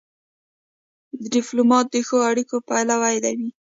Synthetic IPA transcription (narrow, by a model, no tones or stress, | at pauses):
d̪ədɪplomɑt̪̚d̪əxoaɽikopajlawajd̪awi